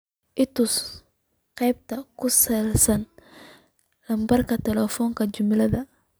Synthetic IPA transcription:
ʔɪt̪us | qɛjb̚t̪ɐkʰʊsɐlsɐn | lɐmbɐrkʰɐt̪ɛlɛfɔːŋkʰɐd͡ʒʊmɪlɐðɐ

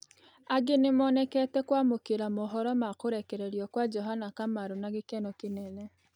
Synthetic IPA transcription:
aɡenemɔːnɛkɛtɛkwamokeɾamoɦɔɾɔmakoɾɛkɛɾeɾiɔkwad͡ʒɔɦanakamaɾonaɡekɛnɔkenɛnɛ

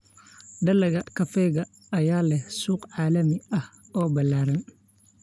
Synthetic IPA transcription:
ɖɐlɐɣɐkʰɐfɛːɣɐː | jaːlɛhsuːqʕɑːlɐmɪɐh | ɔːbɐlːaːɾɐn

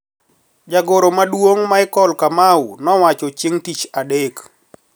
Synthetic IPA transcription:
d͡ʒaɡoɾomadwoŋmaɪkɔlkamawnɔwat͡ʃɔt͡ʃɪŋtit͡ʃadek

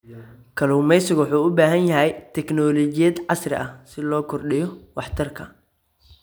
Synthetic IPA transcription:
kʰɐluːmɛjsɪɣwʊħuːʊbaːɦɐnjɐɦɛjt̪ʰɛknɔːlɔt͡ʃɪjɐd̪ʕɑsrɪ̰ʔɐhsɪlɔːkʰɔrɗɪjɔwɑħt̪ʰɐrkʰɐ

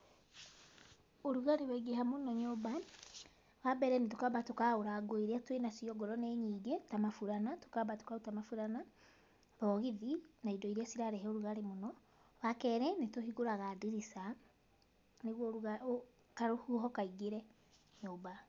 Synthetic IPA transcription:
oɾuɣaɾeβɛɡeɦamonɔɲoba | βabɛɾɛnetokabatokaoɾaɡoiɾiatwenasiɔɡɔɾɔneɲiːɡetamafuɾanato̥kabato̥kautamafuɾana | βɔɣiðinaidɔiɾiasiɾaɾɛɦɛoɾuɣaɾemonɔ | βakɛɾɛnetohiɣoɾaɣadiɾisa | neɣwɔɣao | kaɾohuɦɔkaiɡeɾɛ | ɲoːba

